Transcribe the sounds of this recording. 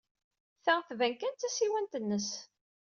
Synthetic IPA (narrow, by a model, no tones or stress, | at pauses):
θæʁθvænkænt̪ːæsiwænt̪ənːəs